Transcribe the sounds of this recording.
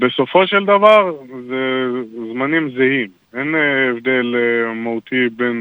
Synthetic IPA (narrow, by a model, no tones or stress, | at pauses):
beso̞foʃeld̪avaʁzezmanimzehim | enevd̪elmaut̪iben